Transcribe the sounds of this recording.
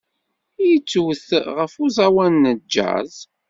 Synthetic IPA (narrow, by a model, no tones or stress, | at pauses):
jət͡sːuwθʁəfuzawænːəd͡ʒːæ̰z